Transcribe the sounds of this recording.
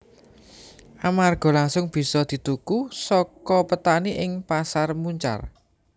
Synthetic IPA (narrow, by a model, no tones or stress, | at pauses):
ʔamarɡ̥ɔ̤laŋsʊŋb̥i̤sɔd̪̥i̤t̪ukusɔkɔpət̪aniʔɪŋpasarmuɲt͡ʃa̰r